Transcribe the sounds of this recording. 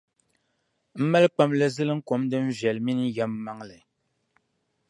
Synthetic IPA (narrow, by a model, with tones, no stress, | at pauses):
m̩˦ma˦lk͡pa˦mlɨ˦zɨ˦lɨ˦ŋ̩˦ko˨˦mdɨ˦m̩˦vɛ˨lmi˦n˦jɛ˦m˦ma˦ŋlɨ˨